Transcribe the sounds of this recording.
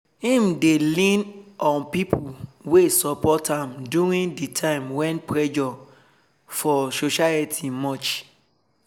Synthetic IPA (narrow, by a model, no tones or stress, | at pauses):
hĩmdelĩnɔ̃npipʰuwesɔpɔtãmduɹĩnditʰãɪ̃mwɛ̃npɹɛd͡ʒɔ | fɔsoʃaitʰimɔt͡ʃ